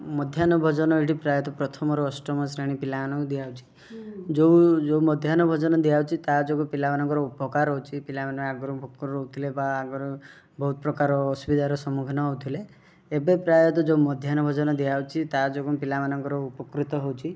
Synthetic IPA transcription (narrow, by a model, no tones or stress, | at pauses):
mɔd̪ʱjanɔbʱɔd͡ʒɔnɔeʈipɾajɔt̪ɔpɾɔt̪ʰɔmɔɾɔːsʈɔmɔsɾeɽ̃ipilaanɔd̪ijaut͡ʃʰi̥ | d͡ʒowd͡ʒoumɔd̪ʱjanɔbʱɔd͡ʒɔnɔd̪iawt͡ʃʰit̪ad͡ʒoɡupilamanɔŋkɔɾɔupɔkaɾɦowt͡ʃʰipilamanɔaɡɔɾɔbʱokːɔɾɔɾɔut̪ilebaːɡɔɾɔ | bɔɦut̪ɔpɾɔkaɾɔːsubid̪aɾɔsɔmukʰɔnɔɦwt̪ʰileː | bepɾajɔt̪̬ɔd͡ʒoumɔd̪ʱjanɔbʱɔd͡ʒɔnɔd̪iawt͡ʃʰit̪ad͡ʒoɡupilamanɔŋkɔɾɔupɔkɾit̪ɔɦowt͡ʃʰi